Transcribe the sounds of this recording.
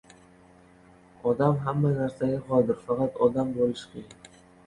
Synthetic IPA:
ɒd̪amɦamːanaɾsaɡʲaqɒlˠd̪ɪɾfɑqʰɑt̪ɒd̪ambolɪʃkʲʰejɪŋ

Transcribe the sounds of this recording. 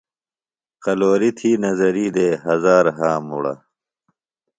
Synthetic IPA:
qɐloːɾit̪ʰiːnɐzɐɾiːd̪eːɦɐzaːɾɦaːmṵɽɐ̰

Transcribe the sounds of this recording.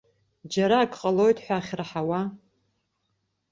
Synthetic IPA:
d͡ʒaɾaːkʰʼqʼalo̞jtʰʼħʷaːχʲraħawa

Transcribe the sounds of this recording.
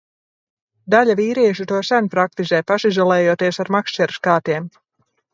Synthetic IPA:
d̪aʎʲaviːɾiɛʃut̪uɔsænupɾak̚t̪izɛjpaʃizalˠɛːjuɔt̪iɛsaɾmakʃt͡ʃɛɾuskaːt̪iɛm

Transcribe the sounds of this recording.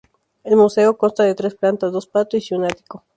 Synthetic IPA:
e̞lmuse̞oko̞nst̪aðet̪ɾe̞splant̪azd̪ospat̪oisjonat̪i̥ko

